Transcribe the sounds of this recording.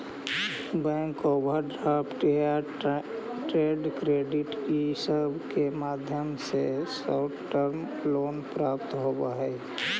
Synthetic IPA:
bɛ̃ŋkobʱəɖɾaːpʈa | ʈɾeːɖkɾeːɖɪʈisəbʱkemaːd̪ʱjəmsesaʈʰʈəɾm | loːnpɾaːp̚t̪ɦobaɦɛ

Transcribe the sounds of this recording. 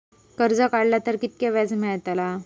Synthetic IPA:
kəɾd͡zəkaɽljat̪əɾkit̪̚kaʋjad͡zmɛɭt̪ala

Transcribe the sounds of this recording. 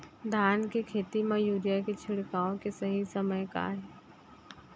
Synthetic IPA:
d̪ʱaːnkekʰeːt̪imãjuːɾjaket͡ʃʰɪɽkaːõkesɐɦisɐməjka̰ːɦɛ

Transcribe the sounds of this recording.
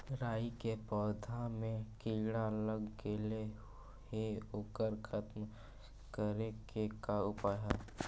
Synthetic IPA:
ɾaːikepɔːd̪ʱamẽkiːɽaləɡkele | heoːkəɾkʰət̪m | kəɾeɡekaʊpaːɦɛː

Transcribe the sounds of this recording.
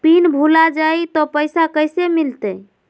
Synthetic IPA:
pinbʱulad͡ʒajt̪ɔpəjsakəjsemilt̪ə

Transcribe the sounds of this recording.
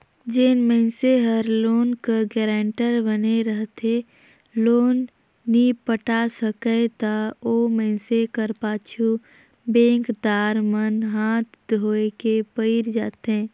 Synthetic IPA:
d͡ʒeːnmɛ̃ːseɦəɾloːnkəɡɛːɾãːɳʈəɾbəneɾəɦt̪e | loːnː | ipəʈasəkəet̪aoːmɛ̃ːsekəɾpaːt͡ʃʰu | bẽːŋkd̪aːɾmənɦaːt̪d̪ʱoːekepəɪɾd͡ʒa̰ːt̪ɦẽː

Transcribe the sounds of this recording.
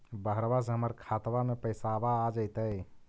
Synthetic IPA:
bəɦɾbas̬eɦəməɾkʰat̪bamepəjsabaːd͡ʒəjt̪əj

